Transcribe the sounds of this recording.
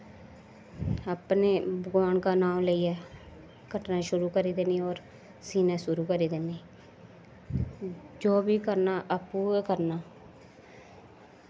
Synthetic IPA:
aːpneːbəɡaːɳkaːnaːmləiːɛː | kəʈnaːʃʊɾuːkəɾiːd̪eːniːɔːɾ | siːnãːsʊɾuːkəɾiːd̪eniː | d͡ʒoːbiːkəɾnaːʔapːũːkəɾnaː

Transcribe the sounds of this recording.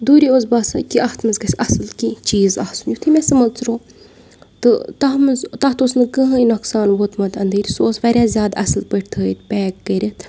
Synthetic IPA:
d̪uːɾiozbaːsɨkiʔɐht̪ʰmɐzɡɐsʲɐsɨlkit͡ʃiːzɐhsunjut̪ʰimʲɛsɨmɐlt͡sɾoː | t̪ɨt̪ɐɦmɨzt̪ɐht̪osnɨkəɦɨinoksaːnʋot̪mɐt̪ɐnd̪iːɾʲsooːsʋɐɾʲjaːzʲjaːd̪ɐsɨlpəʈʰʲt̪ʰəːit̪pʲɛːkːəɾʲit̪

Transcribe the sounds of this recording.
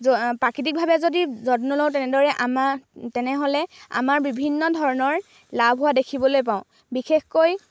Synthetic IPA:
pɹakit̬ik̚bʱabɛzodizɔtnɔlowtɛnɛdɔɹɛʔamatɛnɛɦolɛa̰maɹbibʱinːɔdʱɔɹɔnɔɹ | labʱɦʊwadekʰibɔlojp̬aʊ̃ | bixexkoj

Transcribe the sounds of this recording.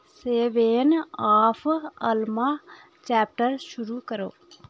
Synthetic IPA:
seːʋeːnaːpʰəlma | t͡ʃɛːp̚ʈəɾʃuɾuːkəɾo̰ː

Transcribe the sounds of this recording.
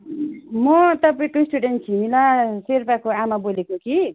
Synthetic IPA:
mʌt̪ʌpaĩkoisʈuɖenʈ̚t͡sʰimilaseɾpakoamabolekoki

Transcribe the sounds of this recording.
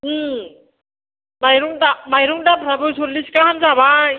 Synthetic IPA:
majɾuŋdamajɾuŋdapʰɾabɯsulːiskaɦamzaβa

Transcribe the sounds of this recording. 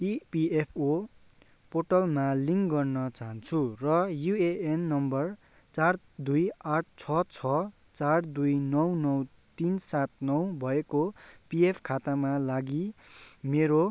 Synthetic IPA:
ipiepʰo | poʈʌlmaliŋɡʌrnʌt͡saɦʌnt͡sʰurʌjueenːʌmbʌr | t͡sar | d̪ujaʈ̚ʰt͡sʰʌt͡sʰʌ | t͡sard̪ujnʌwnʌw | t̪insat̪̚nʌwbʱʌekopiepʰkʰat̪amalaɡimeɾo

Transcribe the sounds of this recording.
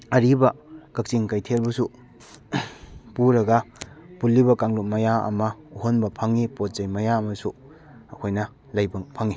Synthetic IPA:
ɐɾibɐkɐk̚t͡ʃiŋkajtʰelbɐsu | puɾɐɡɐpulːibɐkaŋlut̚mɐjaɐ̰mɐuɦonbɐpʰɐŋːipot̚zɐjmɐjaɐmɐsu | ɐkʰojnɐ | lɐjbɐŋpʰɐŋi

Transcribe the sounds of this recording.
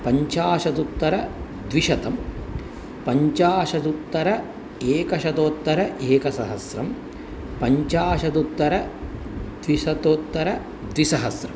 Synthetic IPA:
pɐɲt͡ʃaːʃɐt̪ut̪ːɐɾɐ | d̪ʋiʃɐt̪ɐm | pɐɲt͡ʃaːʃɐt̪ut̪ːɐɾɐ | eːkɐʃɐt̪oːt̪ːɐɾɐʔeːkɐsɐɦɐsɾɐm | pɐɲt͡ʃaːʃɐt̪ut̪ːɐɾɐ | d̪̥ʋiʃɐt̪oːt̪ːɐɾɐ | d̪ʋisɐɦɐsɾɐm

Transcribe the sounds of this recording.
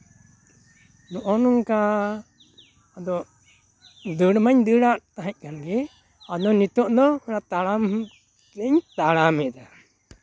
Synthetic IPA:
nɔʔɔnuŋka | d̪ɔ | d̪əɽmaɲd̪əɽaʔt̪aɦɛc̚ˀkanɡɛ | ad̪ɔnit̪ɔʔd̪ɔnat̪aɽam | lɛɲt̪aɽamɛd̪a

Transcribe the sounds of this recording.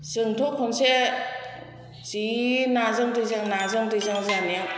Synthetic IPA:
sɯŋtʰɔkʰɔnse | sinazɯŋtɯzɯŋnazɯŋtɯzaŋzania

